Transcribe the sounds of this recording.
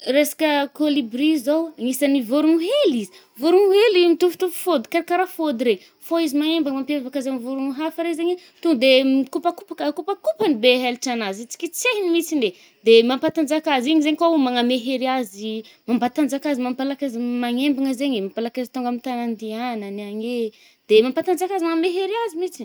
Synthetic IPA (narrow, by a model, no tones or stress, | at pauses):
resḁkəkolibɾizowŋisanivoɾuŋuɦelizi̥ | voɾuŋuɦelimit̪ufu̥t̪ufu̥fod̪kaɾakaɾafod̪iɾe | foizimaŋembaŋmampevakazamivuɾuŋuɦafaɾezeɲe | t̪uŋɡd̪eikupakupakakupakupanibeɦelʈ͡ʂanazit͡si̥kʲit͡sehinimisinde | d̪̥emampat̪and͡zakaziɲizeɲikaumaŋameɦeɾiazimampat̪and͡zakazimampalakazimaŋembaŋəzeɲemampalakazi̥t̪uŋɡamint̪anand̪ianəniaɲe | d̪̥emampat̪and͡zakazimaŋameɦeɾiazimit͡si